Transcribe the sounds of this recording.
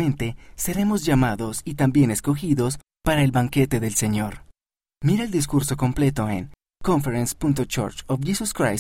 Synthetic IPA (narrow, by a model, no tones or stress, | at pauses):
ẽ̞nt̪e̞se̞ɾe̞mo̞zʝamaðo̞sit̪ambje̞ne̞sko̞xiðo̞s | paɾae̞lβaŋke̞t̪e̞ðe̞lse̞ɲo̞ɾ | miɾaeld̪iskuɾso̞ko̞mple̞t̪o̞ḛŋ | ko̞ɱfeɾenspunt̪̬ot͡ʃo̰ɾt͡ʃofʝisuskɾa̰j